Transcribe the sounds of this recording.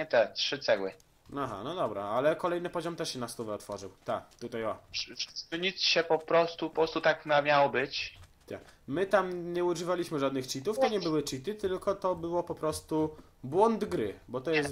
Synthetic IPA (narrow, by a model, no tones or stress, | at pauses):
ɲɛt̪ɛtʂɘt̪sɛwɘ̰ | aɦa̰nɔd̪ɔbɾa̰alɛkɔlɛjnɘpɔʑɔmt̪ɛʂɕɛnast̪uvɛɔt̪fɔʐɘwt̪a̰kt̪ut̪ajɔʂʂsɘɲit̪sɕɛpɔpɾɔst̪upɔpɾɔst̪ut̪aknamʲjawɔbɘt͡ɕ | t̪ʰa̰kmɘt̪amɲɛuʐɘvalʲiɕmɘʐad̪nɘxt͡ɕit̪uft̪ɔɲɛbɘwɘt͡ɕit̪ɘt̪ɘlkɔt̪ɔbɘwɔpɔpɾɔst̪u | bwɔnd̪ɡɾɘbɔt̪ɔjɛs